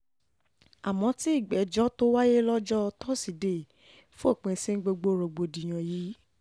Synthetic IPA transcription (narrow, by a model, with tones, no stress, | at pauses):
a˨mɔ̃˨˧˦ti˦i˦˨ɡ͡bɛ˨d͡ʒɔ˦to˦wa˦je˦lɔ˦d͡ʒɔ˦˧tɔ˦si˨de˨ | fũ˦o˦˨k͡pẽ˧˨sẽ˦ɡ͡bo˧ɡ͡bo˦˨ɾo˨ɡ͡bo˧˨di˨j̃ã˨jiː˨˦